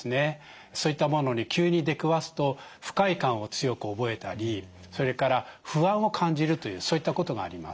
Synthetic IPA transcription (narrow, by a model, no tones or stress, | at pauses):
sɨne̞ | so̞ːit̪ːamo̞no̞ɲ̟ikʲɨːɲ̟id̪e̞kɯ̟βasɨ̥t̪o̞ɸɯ̟̥kaikãɰ̃o̞t͡sɨjo̞kɯ̟obo̞e̞t̪aɾʲi | soɾe̞kaɾaɸɯ̟ãɰ̃o̞kʰãɲ̟d͡ʑiɾɯ̟t̪o̞jɯ̟ːso̞ːit̪ːako̞t̪o̞ɡa̰ːɾʲima̰s